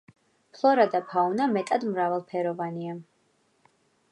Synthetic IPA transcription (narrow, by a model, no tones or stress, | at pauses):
pʰlˠɔɾad̪apʰaunamɛt̪ʼad̪mɾavɛlˠpʰɛɾɔvania